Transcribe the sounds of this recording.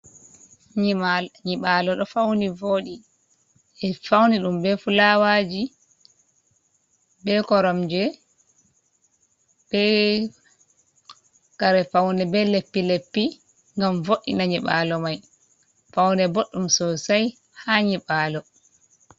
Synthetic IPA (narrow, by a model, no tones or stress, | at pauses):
ɲimaɲiɓalɔɗɔfawnivoːɗi | ɛfawniɗumbɛfulawaːd͡ʒi | bɛkɔɾɔmd͡ʒɛ | b̥ɛ | kaɾɛfawnɛbɛlepːilepːi | ŋɡamvoɗːḭnaɲiɓaːlɔmaj | fawnɛboɗːumsɔsaj | haɲiɓaːlɔ